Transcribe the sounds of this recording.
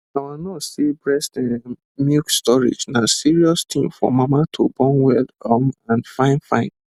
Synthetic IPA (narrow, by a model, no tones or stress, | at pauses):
awilnɔtsibɹɛstɛ̃n | mukstɔɹḛd͡ʒnasiɹiɔstʰĩmfɔ̰mamatʰobɔ̃nwɛldɔ̃mãnfãɪ̃nfã̰ɪ̃n